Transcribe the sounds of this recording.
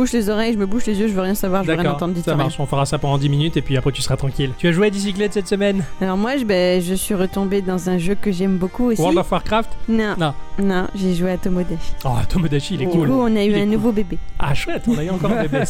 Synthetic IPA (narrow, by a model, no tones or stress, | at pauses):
buʃlezɔʁɛjʒəməbuʃlezjøʒəvøʁjɛ̃savwaʁʒəd̪aʁjɛ̃ɑ̃ʁt̪ɑ̃d̪isamaʁʃɔ̃fəʁasapɑ̃d̪ɑ̃d̪iminyt̪epɥiapχɛt̪y̥səʁat̪χɑ̃kʲilt̪yaʒuwead̪is̬iklɛt̪sɛt̪səmɛnalɔʁmwaʒəbɛʒəsɥiʁət̪ɔ̃bed̪ɑ̃zɛ̃ʒøkəʒɛmbokueɔ̃d̪afaʁkχaft̪nɔ̃nɔ̃nɔ̃ʒeʒweat̪omɔd̪aʃi̥aa̰t̪omod̪aʃiilɛuluɔ̃nayyɛ̃nuvobebea̰ʃwɛt̪ɔ̃nayɑ̃kɔʁ̃ebe